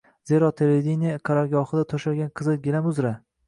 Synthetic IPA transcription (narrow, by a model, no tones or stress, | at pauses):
z̥eɾɒt̪ʰeɾed̪inijqʰaɾɒɡʲɒχɨd̪at̪ʰoʃaɡʲanqʰɨzɨɡʲelamʊzɾa